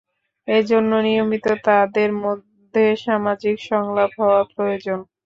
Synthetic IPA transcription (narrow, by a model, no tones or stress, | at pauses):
ed͡ʑonːonijomit̪ot̪ad̪eɾmod̪ʱːeʃamad͡ʑikʃɔŋlapɦɔoapɾojod͡ʑon